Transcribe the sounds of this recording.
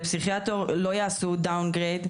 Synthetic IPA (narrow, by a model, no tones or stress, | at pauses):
psiχjat̪oʁlojaːsud̪awnɡʁed̪